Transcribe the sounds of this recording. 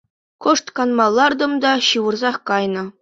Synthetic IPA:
kŏʂt̪kɑnmɑlˠːɑrd̪ɤ̆md̪ɑɕɯʋɤ̆rzɑχkɑjnɤ̆

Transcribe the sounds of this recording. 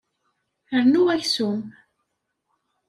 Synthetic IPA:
əɾnuæçsum

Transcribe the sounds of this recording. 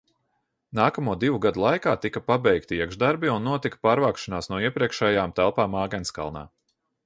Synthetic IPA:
naːkamuɔd̪ivuɡad̪ulˠajkaːt̪ikapabɛjkt̪iiɛɡʒd̪aɾbiunːuɔt̪ikḁpaːɾvaːkʃanaːsnuɔiɛpɾiɛkʃɛːjaːmt̪ælˠpaːmaːɡɛnska̰lˠna̰ː

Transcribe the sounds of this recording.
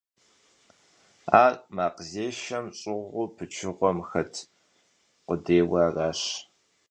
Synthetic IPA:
aːmaːqzeːʃɐmɕʼɪʁʊpʰɨt͡ʃʰɪʁʷɔmxɐtʰ | qʷʊdeːwɑːraːɕ

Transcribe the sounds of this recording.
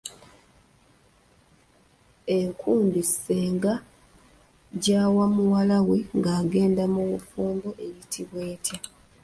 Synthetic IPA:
e̞ŋkʰuːndiseːŋɡa | ɟaːwamuwalaweŋɡaːɡe̞ːndamuβufuːmbo̞ʔe̞jitʰiβwe̞ːtja

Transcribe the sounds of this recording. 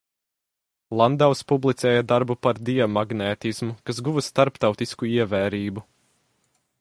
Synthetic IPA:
lˠand̪awspublˠit̪sɛːjad̪aɾbupaɾd̪iɛmaɡnɛːt̪ismukas̬ɡuvɨst̪aɾpt̪awt̪iskuiɛvɛːɾiːbu

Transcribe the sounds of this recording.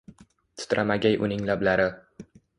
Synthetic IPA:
t̪ʰʊ̥t̪ɾamaɡʲajʔʊ̰nɪŋlablaɾɪ

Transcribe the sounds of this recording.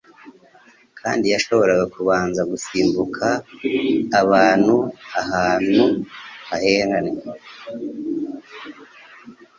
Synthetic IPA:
kʰa̰ːndijaʃo̞βo̞ɾaɡakʰuβaːnzaɡusiːmbukʰaː | βaːn̥huaɦaːn̥huβahe̞ːŋɡane

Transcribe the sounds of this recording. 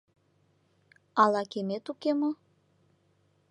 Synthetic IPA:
ɑlɑkemet̪ukemo

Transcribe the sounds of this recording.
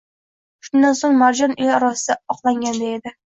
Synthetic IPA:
ʃʊnd̪ansoŋmaɾd͡ʒɒnejɒɾɒsɪd̪aɒqlˠaŋɡʲand̪ae̞d̪ɪ

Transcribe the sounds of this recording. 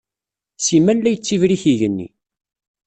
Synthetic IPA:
simænlæjət͡sːivɾiçiʝənːḭ

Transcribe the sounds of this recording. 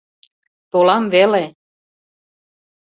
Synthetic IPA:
t̪olɑmvele

